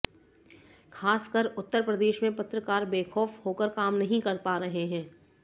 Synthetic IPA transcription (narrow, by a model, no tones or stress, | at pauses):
kʰaːskəɾʊt̪ːəɾpɾəd̪eːʃmẽpɐt̪ɾəkaːɾbeːxʰɔːfhoːkəɾkaːmnɐɦĩkɐɾtpaːɾɐɦeɦɛ̃ː